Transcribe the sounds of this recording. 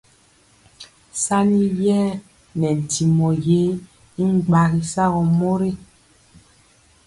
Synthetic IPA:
sa˦ni˦jɛ˦ | nɛ˨n̩˨ti˨mɔ˨je˦ | i˦ŋ˦ɡ͡ba˨ɣi˨sa˦ɣɔ˨mo˦ɾe˦

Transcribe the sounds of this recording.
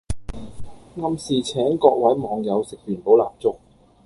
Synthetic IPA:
ŋɐ˧msiː˨t͡sʰɛː˨˥ŋkɔː˧k̚wɐ˨˥jmɔː˨˧ŋjɐ˨˧wsɪ˨k̚p̪yː˨˩npo˨˥wla̰ː˨p̚t͡sʊ˥k̚

